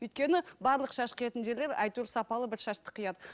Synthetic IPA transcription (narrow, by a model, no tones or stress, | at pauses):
ɵjt̪̚kʲe̞nɪbɑɾlˠəqʃɑʃqʰijet̪ɪnʒe̞ɾle̞ɾæ̰jt̪ulsɑpɑlˠəbɪɾʃɑʃt̪ə̥qʰijɑd̪ə